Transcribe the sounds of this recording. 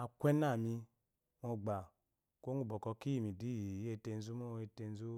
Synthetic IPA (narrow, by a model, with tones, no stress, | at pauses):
a˨kʷɛ˦na˦˨mi˧ | mɔ˧ɡ͡ba˨ | ko˦ŋu˦˨bɔ˨kɔ˧ki˦ji˨mi˨di˨˦˨e˦˧te˧n̩˦zu˦mu˦˧e˧te˧n˦zu˦